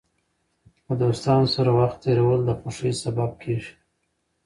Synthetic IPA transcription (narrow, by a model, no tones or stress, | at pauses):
pəd̪ost̪ɑnosaɾawaxt̪ːeɾawəld̪əxoʂejsabab̚kʰeʒi̥